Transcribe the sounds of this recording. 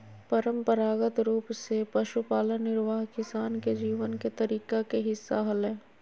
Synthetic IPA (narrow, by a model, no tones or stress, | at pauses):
pɐɾə̃mpəɾaːɡət̪ɾuːpsepɐʃupaːlənɪɾʋaːɦkɪsaːnked͡ʒiːʋənket̪ɐɾiːkakeɦɪsːaɦɐlɦɛ̃ː